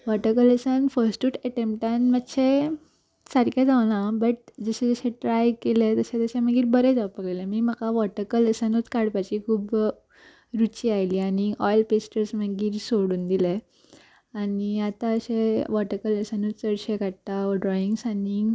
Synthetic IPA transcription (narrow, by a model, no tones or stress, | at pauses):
ʋɔʈəkələsãnfəɾsʈuːʈəʈempʈãnmət̪ːɕe | səɾkjad͡zaʋnabəʈ̚d͡zəɕɛ̃d͡zəɕẽʈɾajkelet̪əɕẽt̪əɕẽməɡiːɾbəɾɛd͡zapəkelẽmiːm̤əkaʋɔʈəkələsanut͡skaɽpat͡ɕikʰuːb | ɾut͡ɕiajlianiɔjlpesʈəɾsməɡiːɾsoɽuːnd̪ile | aniat̪ãəɕẽʋɔʈəkələsanut͡st͡səɽɕekaɽt̪aɖɾɔiŋɡsani